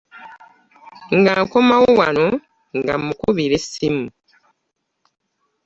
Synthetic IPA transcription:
ŋɡaŋkomawowano | ŋɡa̰mukuβiɾesimu

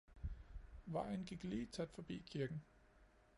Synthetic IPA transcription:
ʋɑ̈ɪ̰n̩ɡ̥iɡ̥liːt͡sʰæd̥fɒ̽b̥ḭːkʰiɐɡ̥n̩

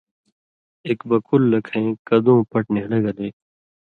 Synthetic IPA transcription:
eːkbɐkulːɐkʰẽːkɐd̪õːpɐʈnẽːlɐɡɐd̪eː

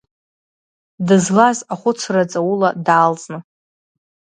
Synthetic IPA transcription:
dɨzlazaχʷʊt͡sʰrat͡sʼawuladaːlt͡sʼnɨ

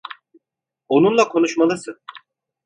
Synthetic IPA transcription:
o̞nunlˠakʰo̞nuʃmalˠɯsɯn

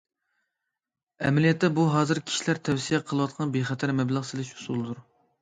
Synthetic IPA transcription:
ɛ̰mɛlijɛt̪ːɛbuɦɑːzɨɾkʲʰi̥ʃilæɾt̪ʰɛwsijɛqʰəlˠɨwɑt̪̚qʰɑnbeχɛt̪ʰæɾmɛbləʁselɪʃu̥sulˠɨd̪uɾ

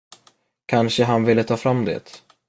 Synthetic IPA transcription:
kʰanʂəɦanvɪlːət̪ʰɑːfɾamːd̪ḛːt̪

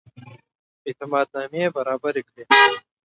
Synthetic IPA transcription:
ɪt̪ɪmaːd̪̚naːmiebɐɾaːbɐɾikɾeː

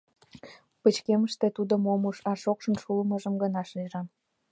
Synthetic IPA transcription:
pət͡ɕkeməʃt̪et̪ud̪əmomuʃɑʃokʃə̆nʃuləməʒəmɡənɑʃliʒɑn

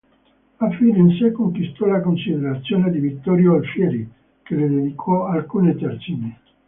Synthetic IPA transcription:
afiːneinsekoŋkwist̪ɔlakonsid̪eɾat̪sːjoːned̪ivit̪ːɔɾjoalfjɛːɾi | keled̪ed̪ikʰɔalkuːnet̪ɛrt͡ʃimi

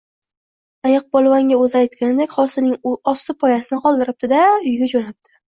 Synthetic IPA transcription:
ajɑq̚bɒlˠvaŋɡʲaɵzɪajt̪kʲanɪd̪ekʲχɒsɪnɪŋɒst̪ɪpʰɒjasɪnɪqʰɒlˠd̪ɪɾɪp̚d̪ɪd̪aʊjɡʲad͡ʒonap̚t̪ʰɪ̥

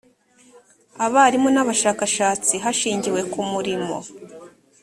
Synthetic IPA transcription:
aβaɾimonaβaʃakaʃaːt͡siɦaʃiːɲɟiwe̞kumuɾimo̞̰

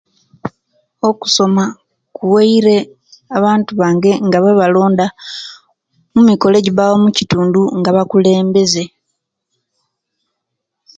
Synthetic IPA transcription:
o̞ku̥so̞ma | kuweiɾe̞ | aβaːntuβaːŋɡe̞ŋɡaβaβalo̞ːnda | mumiko̞le̞ɟiβawomucituːnduŋɡaβakule̞ːmbe̞ze̞

